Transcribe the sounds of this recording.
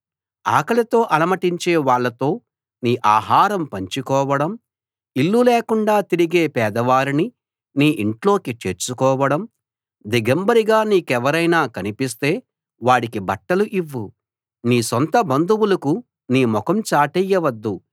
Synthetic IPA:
a̰ːkɐlɐt̪o̞ːʔɐlɐmɐʈiɲt͡ʃe̞ːʋaːɭːɐt̪o̞ː | niːʔaːɦaːɾɐmpɐɲt͡ʃikɔːʋɐɽɐm | ilːuleːkuɳɖaːt̪iɾiɡe̞ːpɛːd̪ɐʋaːɾini | niːʔiɳʈlo̞ːkit͡ʃeːɾt͡ʃukɔːʋɐɽɐm | d̪iɡɐmbɐɾiɡaːniːkɛʋɐɾɐjnaːkɐnipist̪e̞ː | ʋaːɽikibɐʈːɐluʔiʋːu | niːsɔnt̪ɐbɐnd̪uwulɐku | niːmɔkɐmt͡ʃaːʈɛjːɐʋɐd̪ːu

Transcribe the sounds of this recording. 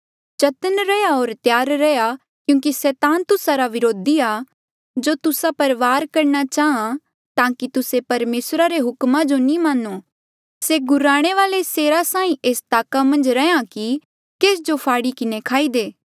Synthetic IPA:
t͡ʃɐt̪ənɾɛjaoːɾt̪jaːɾːɛja | kjũːkisɛːt̪ãːnt̪ʊsaɾaʋɪɾoːd̪iaː | d͡ʒoːt̪ʊsapɐɾʋaːɾkɐɾnat͡ʃaːɦã | t̪ãːkit̪ʊsepɐɾmeːsɾaɾeɦʊkmãd͡ʒonĩmãːno | seɡʊɾaːɽ̃eʋaːleseːɾasãːĩʔeːst̪aːkamɐ̃nd͡ʒɾɛãki | keːs̬d͡ʒopʰaːɽikɪnekʰaːiːd̪eː

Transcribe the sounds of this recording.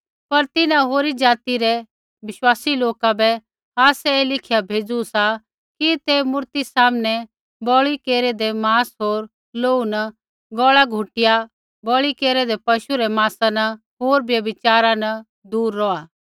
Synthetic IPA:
pɐɾt̪ɪnãɦoːɾid͡ʒaːt̪iɾɛ | bɪʃwaːsiloːkabɛ | aːsɛeːlɪkʰɪjabʱeːd͡zusa | kit̪emʊɾt̪isaːmnɛ | bɔɭikeːɾɛd̪ɛmaːsɦoːɾ | loːunɐ | ɡɔːɭaɡʱʊʈɪja | bɔːɭikeːɾɛd̪ɛpɐʃuɾɛmaːsanɐ | ɦoːɾbjɐbɪt͡ʃaːɾanɐ | d̪uːɾːɔaː

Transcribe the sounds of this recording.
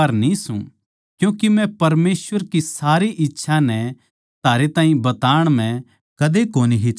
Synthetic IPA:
ɐɾnisṵ̃ | kjũːkimɛ̃pɐɾmeːsʋəɾkisaːɾiʔɪtːʃʰanɛ | t̪ʰaːɾet̪ãːĩbɐt̪aːɽ̃mɛ̃ | kɐd̪ekoːniɦi

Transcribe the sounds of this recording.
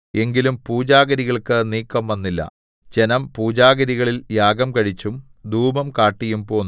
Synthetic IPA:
e̞ŋɡilumpuːd͡ʑaːɡɐɾiɣɐɭkɨniːkːɐmʋɐnːilːɐ̰ | d͡ʑe̞nɐmpuːd͡ʑaːɡɐɾiɣɐɭiljaːɡɐmkɐɻit͡ɕːumd̪ʱuːbɐmkaːʈːijumpo̞ːnː

